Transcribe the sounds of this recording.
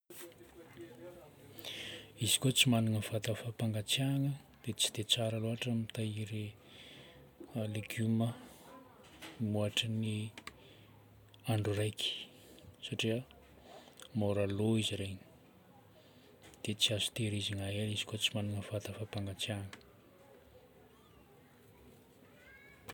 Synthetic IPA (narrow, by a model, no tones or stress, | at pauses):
izikot͡simaniŋəfat̪əfapaŋɡat͡sjaŋə | d̪̥et͡si̥d̪et͡saɾaloɦaʈ͡ʂamit̪aiɾi | aleɡumə | muaʈ͡ʂəni | aɳɖ͡ʐurajkʰi̥ | saʈ͡ʂiə | moɾaloiziɾeɲi̥ | d̪̥et͡siazu̥t̪eɾiziŋaɦelizi̥kot͡simanunəfat̪əfapaŋɡat͡sjaŋə̥